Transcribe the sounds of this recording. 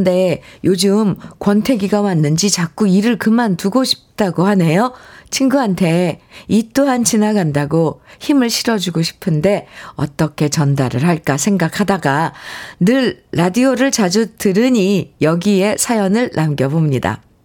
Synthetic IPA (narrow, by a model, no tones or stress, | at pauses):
nde̞jod͡ʑɯmkwʌntʰe̞ɡiɡamanːɯnd͡ʑit͡ɕak͈uiɾɯɭkɯmantuɡoɕʰi̥p̚t͈aɡohane̞jot͡ɕʰinɡuɦantʰe̞it͈oɦant͡ɕinaɡandaɡoçimɯɭɕʰiɾʌd͡ʑuɡoɕʰi̥pʰɯnde̞ʌ̰t͈ʌkʰe̞t͡ɕʌndaɾɯɭɦaɭk͈asʰe̞ŋɡakʰadaɡanɯɭːadioɾɯɭt͡ɕad͡ʑutɯɾɯɲijʌɡie̞sʰajʌnɯɭnʔamɡjʌbomɲida̰